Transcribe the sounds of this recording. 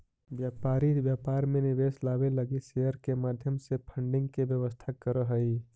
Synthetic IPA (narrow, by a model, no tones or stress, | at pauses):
bjaːpaːɾit̪ʋjaːpaːɾmẽnɪʋeːslaːbeləɡisejəɾkemaːd̪ʱjəmsepʰəɳɖɪ̃ŋɡkebjəʋəst̪ʰakəɾəɦəi